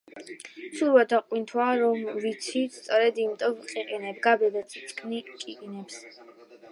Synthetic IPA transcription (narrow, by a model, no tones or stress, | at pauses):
suɾvad̪aqʼwint̪ʰwaɾɔmvit̪sʰit̪st̪sʼɔɾɛd̪imit̪ʼɔvqʼiqʼinɛbɡabɛd̪at̪sʰisʰkʰnikʼikʼinɛps